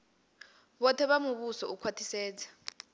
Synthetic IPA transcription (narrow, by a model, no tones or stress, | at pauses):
ɓɔtʰɛɓamuɓusɔukʰwatʰisɛːd͡zḁ